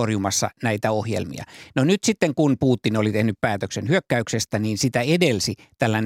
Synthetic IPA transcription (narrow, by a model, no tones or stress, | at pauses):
orjumɑsːɑ̰næit̪æohjḛlmḭɑ̰nonyt̪sit̪ːeŋkunpuːt̪ːinolit̪ehnyppæːt̪øksenhyøkːæyksest̪æniːnsit̪æedelsi | t̪ælːæn